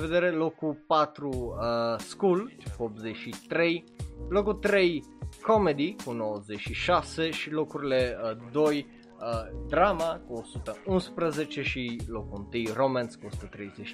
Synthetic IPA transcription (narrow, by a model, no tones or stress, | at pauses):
ved̪eɾelo̞kupat̪ɾuəskulkuop̪̚zet͡ʃit̪ɾe̞j | lokut̪ɾe̞j | komed̪ikunowəzet͡ʃʃiʃaseʃilo̞kuɾileəd̪oj | əd̪ɾamakuosut̪əunspɾəzet͡ʃe̞ʃilokuunt̪ɨjromanskuosu̥t̪ət̪ɾejzet͡ʃ